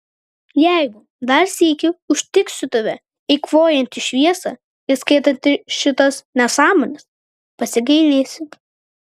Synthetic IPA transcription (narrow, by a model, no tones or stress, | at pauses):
jɛˑɪɡʊ | d̪ɐɾsʲiːkʲɪʊʃʲt̪ʲɪksʲʊt̪ɐʋʲɛ | ɛɪkʋoːjɛnʲt̪ʲɪʃʲʋʲiɛsɑ̰ː | ɪɾskɐɪt̪ɐnʲt̪ʲɪʃʲɪt̪ɐsnʲɛsɑːmoːnʲɛs | pɐsʲɪɡɐɪlʲeːsʲɪm